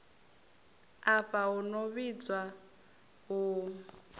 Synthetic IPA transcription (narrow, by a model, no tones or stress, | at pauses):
aɸaɦunɔβid͡zwa | ɦu